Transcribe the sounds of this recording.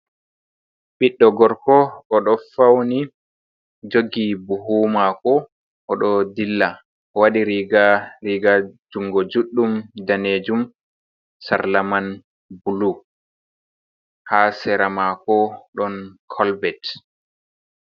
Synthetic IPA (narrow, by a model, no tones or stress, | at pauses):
ɓiɗːɔɡɔɾkɔʔɔɗɔfawni | d͡ʒoɡibuɦuːmakɔ | ʔɔɗɔdilːa | ɔwaɗiɾiɡaɾiɡad͡ʒuŋɡɔd͡ʒuɗːumdaned͡ʒum | sa̰ɾlaman | bulu | hasɛɾamakɔɗɔnkʰɔlbɛt